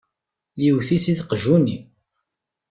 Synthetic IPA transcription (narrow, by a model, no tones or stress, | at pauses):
liwθisiðqəʒuni